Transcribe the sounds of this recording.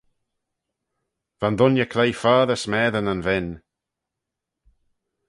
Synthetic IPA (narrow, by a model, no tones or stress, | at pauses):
vandʊnjəkʰlejfaːðəsmɛːðənənvɪn